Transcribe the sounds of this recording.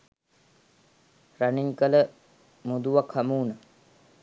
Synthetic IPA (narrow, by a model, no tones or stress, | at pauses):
ɾɐniɲkələ | mud̪uʋakhɐmuːnə